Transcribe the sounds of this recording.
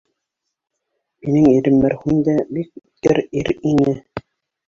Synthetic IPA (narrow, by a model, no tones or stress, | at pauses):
minɘŋiɾɘmːɘɾhʉnd̪æbik̚p̚t̪ɘɾiɾinɘ